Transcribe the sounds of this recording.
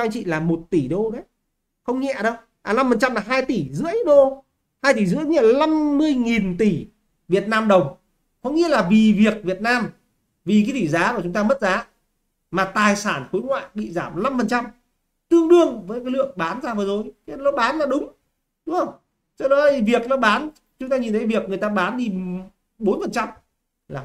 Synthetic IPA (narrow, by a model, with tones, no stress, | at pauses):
ɔ˧ŋt͡ɕḭ˧˨laː˨˩mo˨˩t̚t̪i˧˩ɗo˧ka˨˦ | xə˧wŋ͡mŋɛ̰˧˨ɗə˧w | ʔaː˨˩la˧mfə˨˩nt͡ɕa˧mlaː˨˩ɦaː˧jt̪i˧˩zɨ̰˧˥əjɗo˧ | haː˧jt̪i˧˩zɨ̰˧˥˦ŋɛ̰˧˩la˧mːɨ˧əjŋi˨˩nt̪i˧˩ | vi˨˩ət̚naː˧mɗə˨˩wŋ͡m | kɔ˨˦ŋḭ˧˥əlaː˨˩vi˨˩vi˨˩ək̚vi˨˩ət̚naː˧m | vi˨˩kaː˨˦jt̪i˧˩zaː˨˦koː˧˩t͡ɕʊ˨˦ŋ͡mt̪aː˧mə˦˥t̚zaː˨˦ | maː˨˩t̪aː˨˩jsaː˧˩nxo˨˦jŋwa̰ː˧˨jɓḭ˧˨zaː˧˩mla˧mfə˨˩nt͡ɕa˧m | t̪ɨ˧əŋɗɨ˧əŋvəː˨˦jkaː˨˦lɨ̰˧˨əŋɓaː˨˦nzaː˧vəː˨˦zo˨˩jknɔ˨˦ɓaː˨˦nlaː˨˩ɗʊ˨˦ŋ͡m | ɗʊ˨˦ŋ͡mhə˧wŋ͡m | t͡ɕɔ˧ɗɔ˨˦lvi˨˩ək̚nɔ˨˦ɓaː˨˦n | t͡ɕʊ˨˦ŋ͡mt̪aː˧ɲi˨˩nt̪ʰə˨˦jvi˨˩ək̚ŋ˨əjt̪aː˧ɓaː˨˦nɗi˧ | ɓo˨˦nfə˨˩nt͡ɕa˧m | laː˨˩